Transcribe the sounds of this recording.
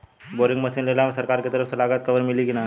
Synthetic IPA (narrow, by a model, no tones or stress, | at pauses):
boːɾɪ̃ŋɡmɐsinleːlamsɐɾkaːɾket̪ɐɾəfsɐlaːɡət̪̚kɐʋəɾmɪlikina